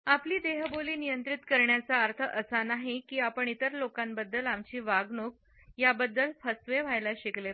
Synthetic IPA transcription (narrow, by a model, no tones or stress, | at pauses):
apliːd̪eɦəboliːnijənt̪ɾit̪kəɾɳjat͡saəɾt̪ʰəʔəsanaɦekiːapəɳit̪əɾlokambəd̪ːəlamt͡ɕiːʋaɡnok̚ | jabəd̪ːəlfʰəsʋeʋ̤ajlaɕikle